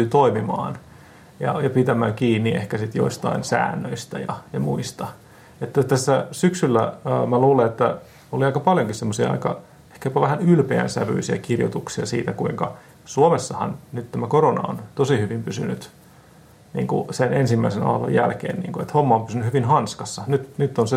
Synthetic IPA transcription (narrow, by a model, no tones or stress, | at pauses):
yːt̪oimimɑ̰ːn | jɑ̰jɑpit̪æmæːŋkiːnːiehkæsit̪jo̰ist̪ɑinsæ̰ːnːøist̪æjɑ̰jɑmuist̪ɑ | et̪ːæt̪æsːæsyksylːæːmæluːleet̪ːæ | oliɑikɑpɑljoŋkissemːosiɑ̰ɑ̰ikɑ | e̥hkæjopɑʋæhænylpeæ̰nsæʋy̰isiækirjo̰t̪uksiɑsiːt̪ækuiŋkɑ | suomesːɑhɑ̰nnyt̪t̪æmækoronɑ̰o̰nt̪osihyʋimpysynyt̪ | nḭːŋkusenensimːæisenɑ̰ːlo̰jæ̰lkḛːnnḭːŋkuet̪homːɑompysynyhyʋinhɑnskɑsːɑnyt̪nyt̪ːonse